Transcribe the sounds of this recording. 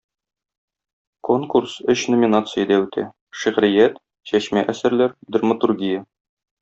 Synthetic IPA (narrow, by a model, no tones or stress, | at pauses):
ko̞ŋkursɵɕnŏmʲinat̪sɨjə̆d̪æʉt̪ʰæ̰ | ʃiʁɾɘ̆jæt̪ | ɕæɕmæʔæsɘɾlæɾd̪rmət̪urɡʲijə